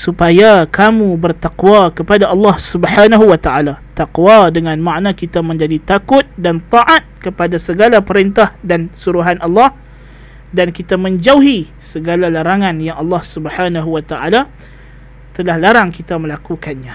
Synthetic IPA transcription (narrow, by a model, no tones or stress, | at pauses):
supajakʰamũbərt̪aqwakəpadaʔɑlːɑhsubħanaɦuwat̪aʔalat̪aqwadəŋanmaʔnãkit̪amə̃ɲd͡ʒadit̪akʊt̪̚dant̪ɑʔat̪̚kəpadasəɡalapəɾint̪ahdansuɾuɦanʔɑlːɑh | dankit̪amə̃ɲd͡ʒawɦi | səɡalalaɾaŋãnjaŋʔɑlːɑhsubħanaɦuwat̪aʔala | t̪əlahlaɾaŋkit̪amə̃lakukanɲã